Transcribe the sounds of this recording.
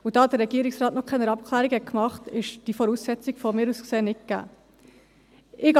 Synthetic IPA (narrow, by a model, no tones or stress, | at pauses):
ʊd̥ɑːd̥əɾɛɡiːɾɪksɾɑːtnɔχkʰɛnəɾɑp̚kʰlæːɾiɡhɛt̚kmɑχtɪʃd̥ifɔɾuːsːɛt͡sɪɡ̥fɔmɪːɾuːskseːnɪk̚ɡ̥æ̰ː | ɪɡ